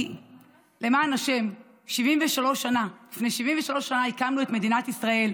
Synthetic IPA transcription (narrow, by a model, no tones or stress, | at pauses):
le̞maːnaʃe̞m | ʃivimveʃalo̞ʃanalifne̞jʃiviɱveʃalo̞ʃanaikamlue̞t̪me̞d̪inat̪isʁae̞l